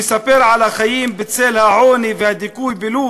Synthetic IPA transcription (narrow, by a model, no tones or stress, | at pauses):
sapeɾʕalaxajiːmbɪt͡seːlhaʕoːnivɪhad̪ɪkuːjbɪluː